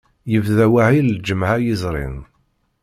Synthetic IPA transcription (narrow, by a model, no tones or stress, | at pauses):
jəvðæwaʕild͡ʒəmʕajizˤɾˤḭn